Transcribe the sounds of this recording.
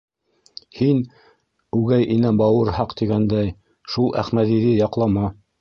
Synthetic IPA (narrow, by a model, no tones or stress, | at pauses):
hin | ʉɡæjʔinæbɑwɤɾhɑqt̪iɡænd̪æj | ʃulˠʔæ̰χmæðiðɘjɑqlˠɑmɑ